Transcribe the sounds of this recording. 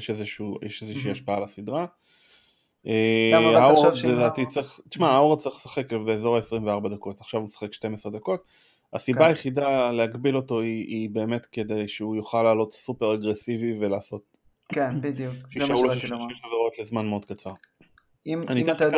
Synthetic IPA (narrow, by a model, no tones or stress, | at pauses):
jeʃezeʃujeʃezeʃiːaʃpaalasid̪ʁa | eaʁled̪aːtit͡sʁiχt̪i̥ʃmaauʁt͡saʁiχlesḁχekbeːzo̞ʁaesʁimveaʁbad̪ako̞taχʃavusḁχekʃte̞mesʁed̪ako̞t | asibaːjeχidale̞aɡbilo̞to̞iibe̞ːme̞tke̞d̪e̞jʃeujoχalːaːlo̞tsupe̞ʁaɡʁesivive̞laːso̞t̚ | kbiduiʃauloʃjʃezoʁo̞tlezmanmeo̞d̥̪̚kat͡saʁ | ianit